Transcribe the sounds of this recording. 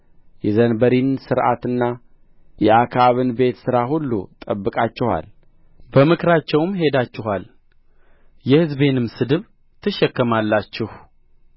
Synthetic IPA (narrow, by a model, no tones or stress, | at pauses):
jɛzənbəɾinsɨɾʔa̰t̪ɨnːa | jɛʔakʰaβɨnbe̞t̪sɨɾaɦulːṵt̪ʼəbːɨkʼat͡ʃːɪha̰l | bəmɨkɾat͡ʃːɛwmɦe̞d̪at͡ʃːɪɦal | jɛhɨzbe̞nɨmsɨd̪ɨβ | t̪ʰɨʃɛkːəmalːat͡ʃːɪh